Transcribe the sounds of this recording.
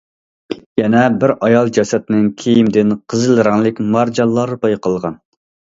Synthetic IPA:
jɛnɛbɪɾʔɑjɑlˠd͡ʒɑsɛt̪ɪnɪŋkʲʰejimd̪ɪnqʰəzɨlˠɨɾɑŋlˠɪkʲmɑɾd͡ʒɑlˠːɑɾbɑjqʰəlˠʁɑ̰n

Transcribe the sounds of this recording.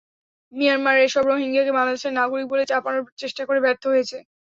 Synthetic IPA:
mianmaɾeʃɔbɾoɦiŋɡakebalad̪eʃeɾnaɡoɾik̚bolet͡ɕapanoɾt͡ɕeʃʈakoɾebɛɾt̪ʰoɦojet͡ɕʰe

